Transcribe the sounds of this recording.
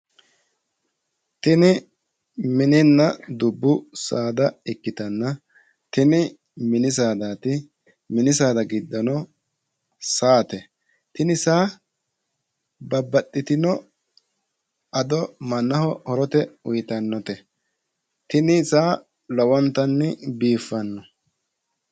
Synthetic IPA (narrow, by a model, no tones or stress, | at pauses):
t̪ɪnɪ | mɪnɪnːɐd̪ʊbːʊsaːd̪ɐɪkːɪt̪ɐnːɐ | t̪ɪnɪ | mɪnɪs̬aːd̪aːt̪ɪ | mɪnɪs̬aːd̪ɐɡɪd̪ːɔnɔ | saːt̪ɛ | t̪ɪnɪsaː | bɐbːɐtʼːɪt̪ɪnɔ | ɐd̪ɔmɐnːɐhɔhɔɾɔt̪ɛʊjt̪ɐnːɔt̪ɛ | t̪ɪnɪsaː | lɔwɔnt̪ɐnːɪbiːfːɐnːɔ